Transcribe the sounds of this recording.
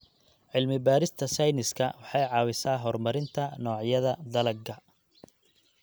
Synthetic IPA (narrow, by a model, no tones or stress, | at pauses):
ʕɪlmɪbaːɾɪst̪ʰɐsɐjnɪskʰɐwɑħɑjʕɑːwɪsaːɦɔrmɐɾɪnt̪ʰɐnɔːʕjɐðɐd̪ɐlɐɡɐ